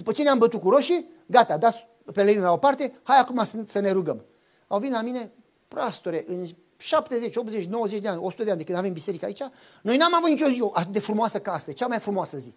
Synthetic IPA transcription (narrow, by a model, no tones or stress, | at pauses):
d̪̥upət͡ʃe̞neambət̪ut̚kuɾo̞ʃi | ɡat̪ad̪at̪s | peleinlao̞part̪e̞hajakumasɨnsəne̞ɾuɡəm | awvinlamine̞ | pɾast̪oɾeʔɨn | ʃapt̪e̞zet͡ʃʲo̞pze̞t͡ʃʲno̞wəzet͡ʃʲd̪eanʲo̞su̥t̪əd̪eand̪ekɨnd̪ave̞mbise̞ɾikəait͡ʃa | no̞jnamavut̪nit͡ʃʲo̞zio̞ʔat̪ɨt̪̚d̪e̞fɾumoasəkasət͡ʃamajfɾumoasəzi